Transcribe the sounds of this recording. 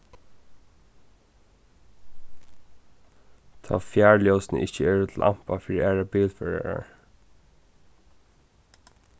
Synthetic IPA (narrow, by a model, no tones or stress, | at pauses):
t̪ʰɑ̰ːfjæːɹljɔʊsnə̰ʔɪhcəɛːɹʊt̪ʰɪl̩ʔa̰m̥pafiːɾiʔæːɹabiːlfɛɹa̰ɹa̰ɹ